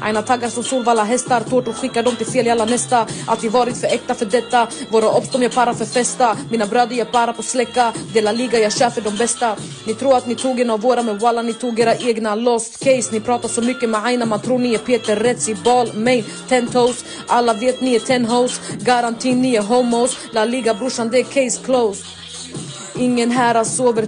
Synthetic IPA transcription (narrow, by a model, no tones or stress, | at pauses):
ʔa̰jnat̪ʰaɡaɾsɔmsuːlvalːaɦɛst̪aɾt̪ʰuːʈɔɧɪkːad̪ɔmt̪ɪlfeːlɪalːanɛst̪aʔa̰t̪d̪ɪvɑːɾɪt̪fœɾɛk̚t̪afœɖɛt̪ːavoːɾaʔɔpst̪ɔmjɛːpʰaɾafœɾfɛst̪amiːnabɾœːd̪əɾjɛpʰaɾapʰɔslɛkːad̪eːlaliːɡajɑːɡɕæːfəɖɔmbɛst̪a | nɪt̪ʰɾuːɾat̪nɪt̪ʰuːɡɛnavːoːɾamɛwalːanɪt̪ʰuːɡeːɾaʔeːɡnalɔst̪kʰɛjsnɪpʰɾɑːt̪asɔmʏkːəmɛajnamant̪ʰɾuːnɪɛpʰeːt̪əɾːɛt̪sɪbɑːlmɛjn | t̪ʰɛnt̪hos | ʔalːaveːt̪nɪɛt̪ʰɛnɦoʊsɡaɾant̪ʰiːnːɪɛɦɔmoslaliːɡabɾʊʂand̪ɛkʰɛjskʰlows | ɪŋːənɦæːɾasoːvəɾ